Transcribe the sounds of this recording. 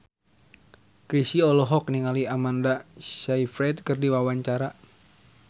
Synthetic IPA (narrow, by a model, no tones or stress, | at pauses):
kɾisiɔlɔɦɔk̚niŋaliamandasaifɾɛt̪̚kɨrdiwawaɲt͡ʃaɾa